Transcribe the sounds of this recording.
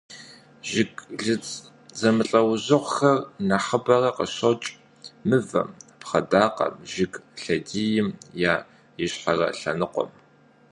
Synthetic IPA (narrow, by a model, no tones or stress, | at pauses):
ʒɪɡʼɮɨt͡sʼ | zɐmɨɬʼɐwʑɨʁʷxɐrnɐħəbɐrɐqə̰ɕɐt͡ʃʼ | mɨvɐ̰mpχɐdaːqɐ̰mʒɪɡɬɐdiːjɪmjaː | jɪɕħarɐ̰ɬɐnɨqʷɔ̰m